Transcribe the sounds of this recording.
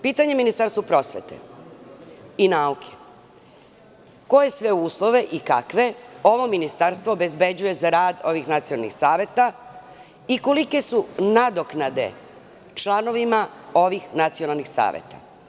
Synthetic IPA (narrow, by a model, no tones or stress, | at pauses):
piːt̪aɲeminist̪aɾst̪ʋopɾo̞sʋḛt̪ḛ | inaukʰe | ko̞je̞sʋe̞uːslˠo̞ʋe̞ʔika̰kʋe̞o̞ʋo̞minist̪aɾst̪ʋo̞ːbe̞zbe̞d͡ʑuje̞zaɾaːd̪o̞ʋixnat̪sionalˠnḭxsaːʋe̞t̪a | ikolike̞sunad̪o̞knad̪e̞̰ | t͡ʃlˠano̞ʋimao̞ʋixnat̪sio̞nalˠnixsa̰ːʋjḛt̪a̰